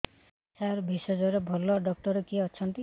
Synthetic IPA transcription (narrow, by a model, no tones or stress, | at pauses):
saɾbʱisɔd͡ʒɔɾebʱɔlɔɖɔk̚ʈɔɾɔkiɔt͡ʃʰɔnt̪i